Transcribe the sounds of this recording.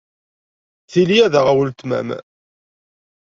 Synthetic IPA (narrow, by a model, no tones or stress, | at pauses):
θilijæðəʁæwəlt̪mæ̰m